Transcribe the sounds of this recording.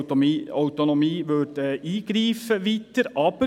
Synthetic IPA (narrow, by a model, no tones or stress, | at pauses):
œʉt̪ɔnɔmiːʋøʈəiːɡ̥ɾiːfəʋɪt̪ːəɾʔɑbə